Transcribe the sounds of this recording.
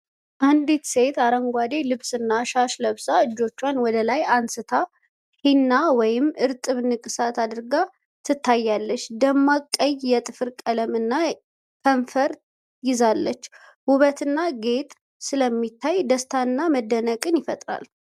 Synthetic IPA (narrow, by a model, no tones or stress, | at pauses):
ʔand̪it̪se̞t̪aɾəŋɡʷad̪e̞lɨβsɨnːaʃaʃləβsaɨd͡ʒːo̞t͡ʃːwanwɔd̪əlajansɨt̪ʰa | hinːawɔjɪmʔɨɾt̪ʼɨβnɨkʼɨsat̪ʰad̪ɨɾɡa | t̪ʰɨt̪ʰːajːalːət͡ʃːd̪əmːakʼːəjjɛt̪ʼɨfɨɾkʼələmɨnːa | kʰəɱfəɾ | jɪzalːət͡ʃː | wʊβət̪ʰɨnːaɡe̞t̪ʼ | sɨləmːit̪ʰːajd̪əst̪ʰaɨnːaməd̪ːənəkʼɨnjɪfət̪ʼɾa̰l